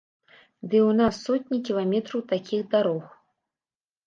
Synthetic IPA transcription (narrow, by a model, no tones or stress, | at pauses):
d̪ɨwnasːɔt̪ʲnʲikʲilˠamʲɛt̪ɾɐwt̪akʲixd̪aɾɔx